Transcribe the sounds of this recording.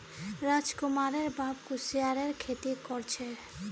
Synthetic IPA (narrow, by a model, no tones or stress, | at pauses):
ɾad͡ʑkumaɾeɾbabkusiaɾeɾkʰet̪ikɔɾt͡ɕʰe